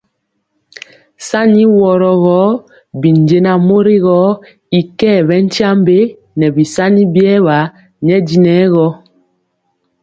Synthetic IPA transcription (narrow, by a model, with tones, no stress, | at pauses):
sa˦ni˦wɔ˨ɾɔ˨ɣɔ˨˦ | bi˨nd͡ʒe˨na˨mo˦ɾi˦ɣɔ˨˦ | i˨kɛː˦˨βɛ˨˦n̩˦tja˦mbe˦ | nɛ˨bi˨sa˦ni˦bjɛ˦βa˨˦ | ɲɛ˦di˨nɛ˨˦ɣɔ˦